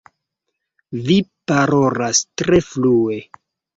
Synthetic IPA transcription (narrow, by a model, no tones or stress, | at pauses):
vipaɾo̞lastɾe̞flue̞